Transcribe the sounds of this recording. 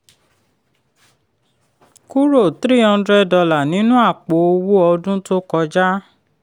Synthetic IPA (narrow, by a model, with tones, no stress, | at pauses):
ku˦ɾo˦˨tɾi˦hã˧˦dɾɛ˦dɔ˧la˨nĩ˨˦nũ˦a˦˨k͡po˨˦o˧wu˦ɔ˧dũ˦to˦kɔ˧d͡ʒa˦